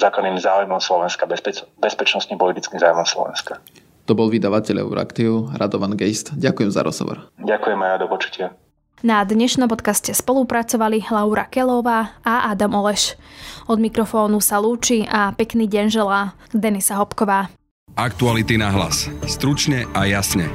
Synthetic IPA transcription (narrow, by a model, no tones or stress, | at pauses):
zaːklad̪niːmzaːujmɔmslɔʋɛnskabbɛspɛt͡ʃnɔst̪ɲimpɔlit̪it͡skimzaːumɔmslɔ̰ʋɛ̰nskḁ | t̪ɔbɔlʋid̪aʋacɛʎɛ̰ʊɾa̰kt̪iɾʔad̪ɔʋanɡɛjst̪ɟakujɛmza̰ɾɔ̰z̥ɦɔ̰ʋɔ̰ɾɟakujɛmajɔd̪ɔpɔt͡ʃu̥cɪa | nad̪ɲɛʃnɔmpɔt̪kascɛspɔlupɾat͡sɔʋalilauɾa̰kɛlɔʋaːaʔad̪amɔlɛʃɔd̪mikɾɔfɔːnusaluːt͡ʃiʔapɛkniːɟɛnʒɛla | d̪ɛnisaɦɔpkɔʋaː | ak̚t̪ualit̪inaɦla̰sst̪ɾut͡ʃɲɛʔajasɲɛ